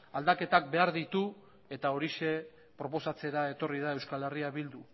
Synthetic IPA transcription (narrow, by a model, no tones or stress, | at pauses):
ald̪ake̞t̪ak̚be̞aɾðit̪u | e̞t̪ao̞ɾiʃe̞ | pɾo̞po̞sat͡se̞ɾae̞t̪o̞riðae̞wskale̞riaβild̪u